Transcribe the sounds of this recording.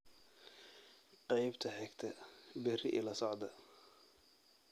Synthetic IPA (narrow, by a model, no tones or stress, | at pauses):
qɑjbt̪ʰɐħɛɡt̪ʰɐbɛrɪʔɪlɐsɔʕd̪ɐ